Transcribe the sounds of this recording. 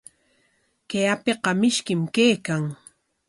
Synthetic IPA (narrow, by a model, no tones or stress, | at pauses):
keapeqɑmɪʃkɪmkejkaŋ